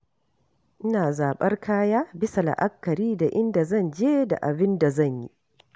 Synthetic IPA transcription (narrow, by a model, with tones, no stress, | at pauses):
ʔɪ˦naː˨zaː˨ɓɐ˦rkʰaː˦jaː˦bɪ˦sa˨la̰˨ʔa˦kːɐ˨ɾiː˦da˨ʔɪ˦nda˨zɐ˦˨nd͡ʒeː˦da̰˨ʔa˨bɪ˦nda˨zɐ˦˨ɲjḭ˦